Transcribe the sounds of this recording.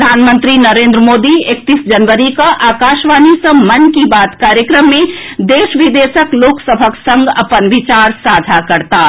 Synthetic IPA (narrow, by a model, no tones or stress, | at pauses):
d̪ʱaːnmə̃nt̪ɾinəɾẽːnd̪ɾəmoːd̪iek̚t̪iːsd͡ʒənʋəɾikaʔaːkaːʃʋaːnisə̃mɐnkibaːt̪kaːɾjəkɾəmːẽd̪eːʃʋɪd̪eːʃəkloːksəbʱəksə̃ŋɡɐ̰pənʋɪt͡ʃaːɾsaːd͡ʒ̪ʱakɐɾt̪a